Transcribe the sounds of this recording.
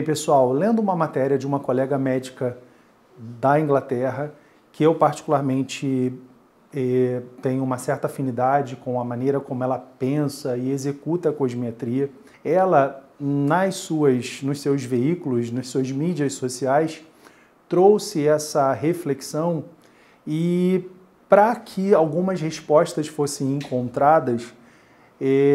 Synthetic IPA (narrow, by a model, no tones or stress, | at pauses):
pesuawlẽnd̪ʊũmɐmat̪ɛɾiɐd͡ʒɪũmɐkolɛɡɐmɛd͡ʒikɐ | d̪ɐĩŋɡlat̪ɛɦɐ | kɪewpaɾt͡ʃi̥kulaɾmẽnt͡ʃɪ | ɛt̪ẽj̃ʊũmɐsɛɾt̪ɐafĩnid̪ad͡ʒɪkõw̃ɐmɐ̃nejɾɐkõmʊɛlɐpẽsɐɪezekut̪ɐkoʒmiat̪ɾiɐ | ɛlɐnɐssuɐsnʊssewzveikulʊsnɐssuɐzmid͡ʒiɐssosiajs | t̪ɾowsɪɛsɐɦefleksɐ̃w̃ | ɪ | pɾɐkʰɪawɡũmɐsheʃpɔʃt̪ɐsfosẽj̃ẽŋkõnt̪ɾad̪ɐs | ɛ